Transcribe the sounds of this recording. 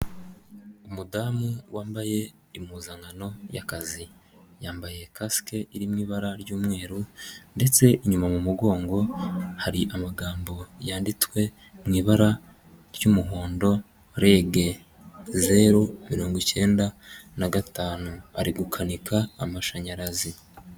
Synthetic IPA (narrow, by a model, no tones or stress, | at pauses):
umudaːmewʔaːmbaje̞ | imuzaŋɡano̞ja̰kazi | jaːmbajekaskeiɾimŋiːβaɾaɾɟuːmŋe̞ːɾunde̞t͡se̞ʔiɲumamumuɡo̞ːŋɡo̞haɾiʔamaɡaːmbo̞jaːnditwe̞ | mŋiːβaɾa | ɾjumuɦoːndo̞ | ɾeːɡe̞ | zeɾomiɾoːŋɡice̞ːndanaɡataːnua̰ɾiɡukʰanikʰaːmaʃaɲaɾazi